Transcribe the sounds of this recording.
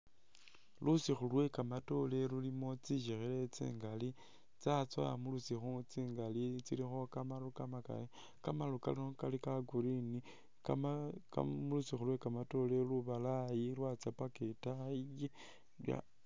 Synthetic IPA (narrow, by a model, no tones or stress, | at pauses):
lusixulwe̞kamato̞le̞lulimo̞t͡siʃexelet͡sḭːŋɡali | t͡sat͡swa̰mulusixut͡siːŋɡalit͡silixo̞kamalukamaka̰ | kamaluka̰liokalikaɡuɾini | kaka̰mulusixulwekamato̞leluβalajilwat͡sapaketaiji | ja̰